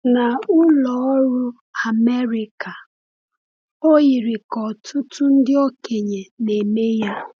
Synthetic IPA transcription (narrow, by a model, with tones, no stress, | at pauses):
na˨ʊ˦lɔ˨˦ɔ˦ɾʊ˦ | a˨me˦ɾi˨ka˨ | o˦i˨ɾɪ˨kɔ˨tʰʊ˦tʊ˦n̩˦dɪ˦o˦ke˨ɲe˨ne˨me˦ja˦